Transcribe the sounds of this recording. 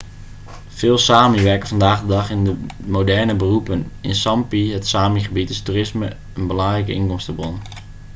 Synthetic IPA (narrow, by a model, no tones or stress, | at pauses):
fɪːlˠsaːmiʋɛɹkəvɑndaːχdədɑχɪndəmodɛrnəbərupənɪ̰nsɑmpiɦətsaːmiχəbitɪsturɪsmə̰ | ənbəlɑŋrɛjkəʔɪnkɔmstəbron